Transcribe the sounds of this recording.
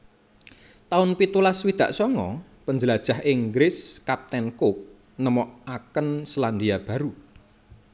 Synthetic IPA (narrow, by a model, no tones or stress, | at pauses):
t̪aʊnpit̪ulaswid̪̥a̤̰ʔsɔŋɔ | pəɲd͡ʒəlad̥ʒ̥a̤hʔɪŋɡɾɪskap̚t̪ɛnkʊk̚ | nəmɔʔakənsland̪iab̥a̤ɾu